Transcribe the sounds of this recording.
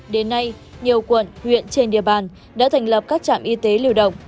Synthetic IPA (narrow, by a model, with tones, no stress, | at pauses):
ɗe˨˦nːa˧j | ɲi˨˩əwkwə˨˩nhwḭ˧˨ənt͡ɕe˧nɗḭ˧˨əɓaː˨˩n | ɗa̰ː˧˥t̪ʰa˨˩jŋ̟lə˨˩p̚kaː˦˥k̚t͡ɕa̰ː˧˨mʔi˧t̪e˨˦li˧əwɗə̰˧˨wŋ͡m